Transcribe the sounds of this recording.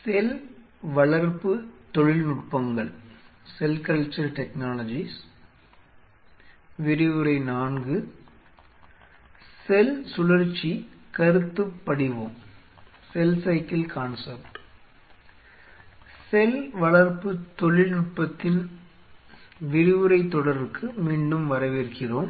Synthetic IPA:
sɛl | ʋɐɭɐɾpɯt̪ːɔɻɪlnʊʈ̚pɐŋɡɐɭsɛlkɐɭt͡ʃːɐɾʈɛknaːlɐd͡ʒis | ʋɪɾɪʋɯɾɐɪnaːnɡɯ | sɛlsʊlɐɾt͡ʃːikɐɾɯt̪ːɯpːɐɽɪʋoːm | sɛlsɐɪkɪlkʰaːnsɐɾʈ | sɛlʋɐɭɐɾpɯt̪ɔɭɪnʊʈ̚pɐt̪ːɪn | ʋɪɾɪʋɯɾɐɪt̪ːɔɽɐɾɯkʰːɯmiːɳɖɯmʋɐɾɐʋeɾkɪroːm

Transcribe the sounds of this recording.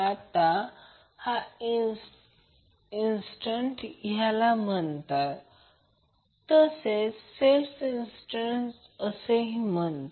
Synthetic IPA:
at̪a | hai | insʈəɳʈjalam̤ənt̪at̪ | t̪əsesselfinsʈəɳʈ | əseɦimənt̪

